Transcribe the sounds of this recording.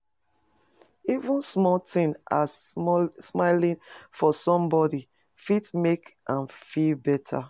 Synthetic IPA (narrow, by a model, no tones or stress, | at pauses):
ivũnsmɔtɪ̃ŋa | smaɪlĩnfɔsɔ̃mbɔdi | fitmekʔãnfilbɛtʰa̰